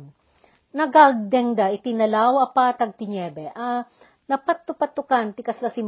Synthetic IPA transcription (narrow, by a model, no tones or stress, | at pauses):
nɐɡaɡ̚d̪ɛŋd̪aʔɪt̪ɪnɐlawɐpaːt̪ɐɡ̚t̪ɪɲɛbɛʔa | nɐpat̪ːʊpɐt̪ːʊkant̪ɪkɐslɐsɪm